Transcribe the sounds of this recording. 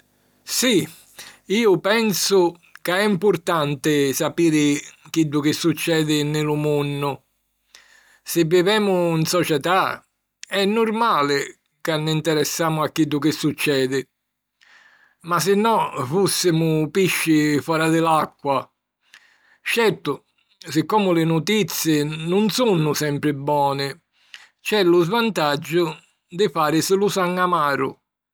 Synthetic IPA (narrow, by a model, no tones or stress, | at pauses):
si | iːʊpɛnsʊ | kaɛimpʊɾt̪ant̪ɪsapiːɾɪk̟id̪ːʊk̟ɪsːut͡ʃːɛːd̪ɪnːɪlʊmunːʊ | sɪvːivɛːmʊinsɔt͡ʃɛt̪a | ɛnːʊɾmaːlɪ | kanːint̪ɛɾɛsːaːmʊakːid̪ːʊk̟ɪsut͡ʃːɛːd̪ɪ | mas̬ɪnːɔfusːɪmʊpiʃːɪfɔːɾad̪ɪlakːwa | t͡ʃɛɾt̪ʊ | sɪkːɔːmʊlɪnut̪it̪sːjɪnʊnsunːʊsɛmpɾɪbːɔːnɪ | t͡ʃɛlʊzvant̪ad͡ʒːʊ | d̪ɪfaːɾɪsɪlusaŋːamaːɾʊ̰